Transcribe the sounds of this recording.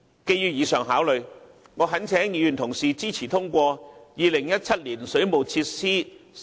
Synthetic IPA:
ke˧jyː˧wjiː˧sœː˨˩ŋɦaː˨˥wlɵ˨˧ɥ | ŋɔː˨˧ɦɐ˨˥nt͡sʰɛː˨˥ŋjiː˨˧jy˨˩nt̪ʰʊ˨˩ŋsiː˨˩t͡siː˥t͡sʰiː˨˩t̪ʰʊ˥ŋkʷɔː˧jiː˨˧lɪ˨˩ŋjɐ˥t̚t͡sʰɐ˥t̚liː˨˩nsɵ˨˥ɥmo˨˩wt͡sʰiː˧t̚siː˥

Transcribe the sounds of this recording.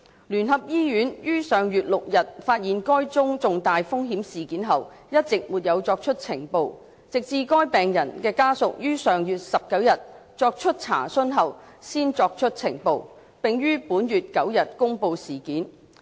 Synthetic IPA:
lyː˨˩nɦɐ˨p̚jiː˥jyː˨˥njyː˥sœː˨˧ŋjyː˨t̚lʊ˨k̚jɐ˨t̚faː˧t̚jiː˨nkɔː˥jt͡sʊ˥ŋt͡sʊ˨ŋt̪aː˨jfʊ˥ŋɦiː˨˥msiː˨kiː˨˥nɦɐ˨w | jɐ˥t̚t͡sɪ˨k̚muː˨t̚jɐ˨˧wt͡sɔː˧k̚t͡ʃʰɵ˥t̚t͡sʰɪ˨˩ŋpo˨˧w | t͡sɪ˨k̚t͡siː˧kɔː˥jpɛː˨˩ŋjɐ˨˩nkɛː˧kaː˥sʊ˨k̚jyː˥sœː˨ŋjyː˨t̚sɐ˨p̚kɐ˨˥wjɐ˨t̚ | t͡sɔː˧k̚t͡ʃʰɵ˥t̚t͡sʰa̰ː˨˩sɵ˥nɦɐ˨w | siː˥nt͡sɔː˧k̚t͡ʃʰɵ˥t̚t͡sʰɪ̰˨˩ŋpo˨˧w | pɪ˨ŋjyː˥puː˨˥njyː˨t̚kɐ˨˥wjɐ˨t̚kʊ˥ŋpo˧wsiː˨˩kiː˨˥n

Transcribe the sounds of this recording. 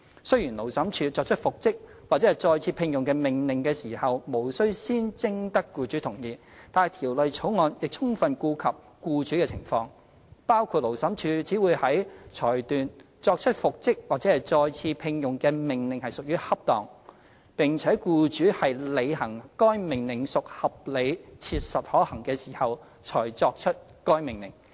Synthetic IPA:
sɵ˥ɥjiː˨˩nlo˨˩wsɐ˨˥mt͡ʃʰyː˨˧t͡sɔː˧k̚t͡ʃʰɵ˥t̚fʊ˨k̚t͡sɪ˥k̚waː˨k̚t͡sɛː˨˦˥ɐ˨˩jt͡ʃɔː˧jt͡sʰiː˧pʰɪ˧ŋjʊ˨ŋkɛː˧mɪ˨˩ŋlɪ˨˩ŋkɛː˧siː˨˩hɐ˨wmo˨˩wsɵ˥wsiː˥nt͡sɪ˥ŋt̪ɐ˥kːuː˧t͡ʃyː˨˥t̪ʰʊ˨˩ŋjiː˨ | t̪aː˨nhjt̪ʰiː˨˩wlɵ˨˧ɥt͡sʰo˨˥wŋɔː˧njɪ˨k̚t͡ʃʰʊ˥ŋfɐ˨nkuː˧kʰɐ˨p̚ | kuː˧t͡ʃyː˨˥kɛː˧t͡sʰɪ˨˩ŋfɔː˧ŋ | paː˥wkʰuː˨˧t̚lo˨˩wsɐ˨˥mt͡ʃʰyː˨˧t͡siː˨˥wuː˨˧jhɐ˨˥jt͡ʃʰɔː˨˩jt̪yː˨n | t͡sɔː˧k̚t͡ʃʰɵ˥t̚fʊ˨k̚t͡sɪ˥k̚waː˨˩t͡sɛː˨˥hɐ˨˩jt͡sɔː˧jt͡sʰiː˧pʰɪ˧ŋjʊ˨ŋkɛː˧mɪ˨ŋlɪ˨ŋhɐ˨jsʊ˨k̚jyː˥hɐ˥p̚t̪ɔː˨ŋ | pɪ˨ŋt͡sʰɛː˨˥kuː˧t͡ʃyː˨˥hɐ˨jle˨˧jhɐ˨˩ŋkɔː˥jmɪ˨˩ŋlɪ˨˩ŋsʊ˨k̚hɐ˨p̚le˨˧jt͡sʰiː˧t̚sɐ˨t̚hɔː˨˥hɐ˨˩ŋkɛː˧siː˨˩hɐ˨w | t͡ʃʰɔː˨˩jt͡sɔː˧k̚t͡ʃʰɵ˥t̚kɔː˥jmɪ˨˩ŋlɪ̰˨˩ŋ

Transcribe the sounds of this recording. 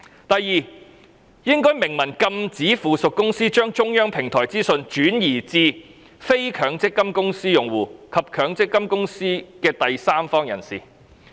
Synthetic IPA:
t̪ɐ˨jːiː˨ | jɪ˥ŋkɔː˥jmɪ˨˩ŋmɐ˨˩nkɐ˧mt͡siː˨˥fuː˨sʊ˨kːʊ˥ŋsiː˥t͡ʃœː˥ŋt͡ʃʊ˥ŋjœː˥ŋpʰɪ˨˩ŋt̪ʰɔː˨˩jt͡siː˥sɵ˧nt͡ʃyː˨˥njiː˨˩t͡siː˧ | fe˥jkʰœː˨˥ŋt͡sɪ˥kːɐ˥mkʊ˥ŋsiː˥jʊ˨ŋwuː˨˩kʰɐ˨p̚kʰœː˨˥ŋt͡sɪ˥kːɐ˥mkʊ˥ŋsiː˥kɛː˧t̪ɐ˨jsaː˥mfɔː˥ŋjɐ̰˨˩nsḭː˨˩

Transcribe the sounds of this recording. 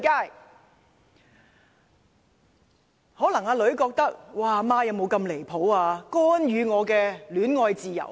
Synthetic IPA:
kaː˥˩j | hɔː˨˥lɐ˨˩ŋaː˧lɵ˨˥ɥkɔː˧k̚t̪ɐ˥k̚waː˨˩maː˥jɐ˨˧wmo˨˧wkɐ˧mle˨˩jpʰo˨˥waː˧kɔː˥njyː˨˧ŋɔː˨˧kɛː˧lyː˨˥nŋɔː˧jt͡siː˨˧jɐ̰˨˩w

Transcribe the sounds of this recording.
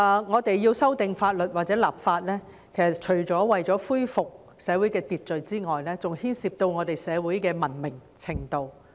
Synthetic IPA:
ŋɔː˨˧t̪e˨jːiː˧wsɐ˥wt̪ɪ˨ŋfaː˧t̚lɵ˨t̚waː˨t̚t͡sɛː˨˥laː˨p̚faː˧t̚lɛː˥ | kʰe˨˩sɐ˨˩t̚t͡ʃʰɵ˨˩ɥt͡sɔː˨˥wɐ˨jt͡sɔː˨˥fuː˥jfʊ˨k̚ | sɛː˨˧wuː˨˥jkɛː˧t̪iː˨t̚t͡sɵ˨ɥt͡siː˥ŋɔː˨jlɛː˥t͡sʊ˨ŋhiː˥nsiː˧p̚t̪o˧wŋɔː˨˧t̪e˨jsɛː˨˧wuː˨˥jkɛː˧mɐ˨˩nmɪ˨˩ŋt͡sʰɪ˨˩ŋt̪o˧w

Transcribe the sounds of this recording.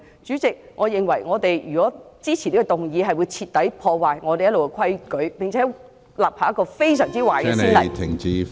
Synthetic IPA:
t͡ʃyː˨˥t͡sɪ˨k̚ŋɔː˨˧jɪ˨˩ŋwɐ˨˩jŋɔː˨˧t̪e˨jjyː˨kɔː˨˥t͡siː˥t͡sʰi˨˩li˥kɔ˧t̪ʊ˨˩ŋjiː˨˧ɦɐ˨jwuː˨˧jt͡sʰiː˧t̚t̪ɐ˨˥jpʰɔː˧waː˨jŋɔː˨˧t̪e˨jɐ˥tlo˨wkɛ˧˥kʰwɐ˥jkɵ˨˥ɥpɪ˨˩ŋt͡sʰɛː˨˥ | laː˨p̚haː˧˥jɐ˥kːɔː˧fe˥jsœː˨˩ŋt͡siː˥waː˨˩jɛ˧˥˧i˥˨˥nlɐ˨t̪ʰɪ˨˩ŋt͡siː˧

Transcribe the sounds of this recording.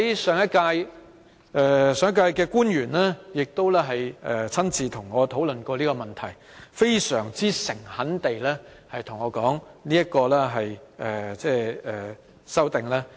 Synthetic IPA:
jsœː˨˧ŋjɐ˥t̚kaː˧j | ʔɛ˧sœː˨˧ŋɐ˥kaː˧jkɛː˧kuː˥njyː˨˩nlɛː˥jɪ˨k̚t̪o˥wlɛː˥ɦɐ˨jɛ˨t͡sʰɐ˥nt͡siː˨t̪ʰʊ˨˩ŋːɔː˨˧t̪ʰo˨˥wlɵ˨nkɔː˧liː˥kɔː˧mɐ˨nt̪ʰɐ˨˩j | fe˥jsœː˨˩ŋt͡siː˥sɪ˨˩ŋhɐ˨˥nt̪e˨jlɛː˥ | hɐ˨jt̪ʰʊ˨˩ŋɔː˨˧kɔː˨˥ŋliː˥jɐ˥t̚kɔː˧lɛː˥ɦɐ˨jɛː˨˩t͡sɛː˥˧ɛː˨˩ | sɐ˥wt̪ɪ˨˩ŋlaː˥

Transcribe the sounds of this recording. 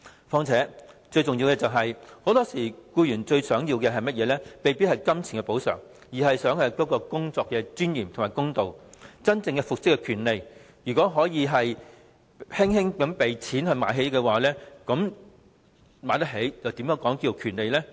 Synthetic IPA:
fɔː˧˥ŋt͡sʰɛː˨˥t͡ʃɵ˧ɥt͡sʊ˨ŋjiː˧wkɛ˧t͡sɐ˨wɦɐ˨jho˨˧˥wt̪ɔː˥siː˨˩kuː˧jyː˨˩nt͡ʃɵ˧ɥsœː˨˥ŋjiː˧wkɛ˧ɦɐ˨jmɐ˥t̚jɛː˨˧lɛː˥me˨jpi˥hɐ˨˩jkɐ˥mt͡sʰi˨˩ŋkɛ˧po˨˥wsœ̰ː˨˩ŋ | jiː˨˩ɦɐ˨jsœː˨˥ŋhɐ˨˧jkɔː˨˥kɔː˧kʊ˥ŋt͡sɔː˧kːɛ˧t͡syː˥njiː˨˩mt̪ʰŋmaː˨˩jkʊ˥ŋt̪o˨wt͡sɐ˥nt͡sɪ˧ŋkɛ˧fʊ˨k̚sɪ˥kːɛ˧kʰyː˨˩nle˨j | jyː˨˩kɔː˨˥ɦɔː˨˥jiː˨˧ɦɐ˨j | hɪ˥ŋhɪ˥ŋkɐ˨˥mpe˨jt͡sʰiː˨˥nhɵ˧ɥma̰ː˨˥jɦe˨˥jkɛː˧waː˨˩lɛː˥kɐ˨˥m | maː˨˥jt̪ɐ˥ɦe˨˥jjɐ˨wt̪iː˨˥mjɛː˨˧˥ŋkɔː˨˥ŋkiː˧o˨˧kʰyː˨˩nle˨jlɛː˥

